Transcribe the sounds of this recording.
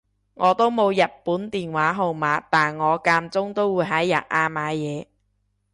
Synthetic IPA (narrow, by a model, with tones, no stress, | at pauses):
ŋɔː˨˧t̪o˥wmo˨˧wjɐ˨t̚puː˨˥nt̪iː˨˩nwaː˨˥ɦo˨˧wmaː˨˧˥t̪aː˨˩nŋɔː˨˧kaː˧mt͡sʊ˥ŋt̪o˥wuː˨˥jɦɐ˨˥jːɐ̰˨t̚ʔaː˧maː˨˧jɛː˨˧